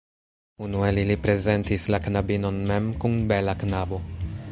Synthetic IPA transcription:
unuelilipɾe̞ze̞ntislaknabino̞nmemkunbelaknabo̞

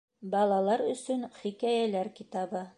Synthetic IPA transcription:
bɑlˠɑlˠɑɾɵ̆sɵnχikæjælæɾkit̪ɑbɤ

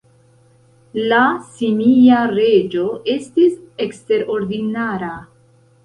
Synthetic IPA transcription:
lasimiaɾe̞d͡ʒo̞ʔe̞stise̞kste̞ɾo̞ɾdinaɾa

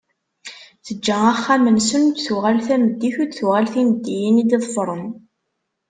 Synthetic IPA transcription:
θəd͡ʒːææχːæmənsənut̪θʊʁælθæməd̪ːiçud̪θuʁælθinəd̪ːijinid̪iðˤfɾˤən

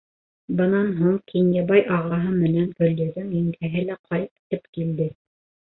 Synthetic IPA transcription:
bɤ̆nɑnɦuŋkʰinʲjɑbɑjʔɑʁɑɦɤmɘ̆nænɡɵ̆lːɘ̆ðɘŋiŋɡæɦɘlæqʰɑjt̪t̪ɘpkild̪ɘ

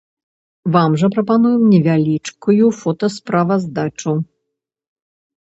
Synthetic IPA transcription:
vamʐɐpɾɐpanujɛmnʲɛvʲalʲit͡ʂkujufɔt̪ɐspɾavɐzd̪at͡ʂu

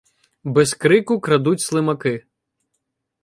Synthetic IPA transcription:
bɛskɾɪkʊkɾɐd̪utʲslˠɪmɐkɪ

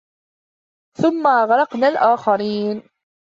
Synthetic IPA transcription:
θʊmːaɣɑɾˤɑqnaːlʔaːxaɾiːn

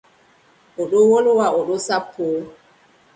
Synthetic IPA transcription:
ʔɔɗowolwaʔɔɗosapʰːo

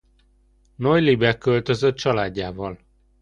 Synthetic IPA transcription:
nojlibɛkːø̞lt̪ø̞zøt̪̚t͡ʃɒlaːɟːaːvɒl

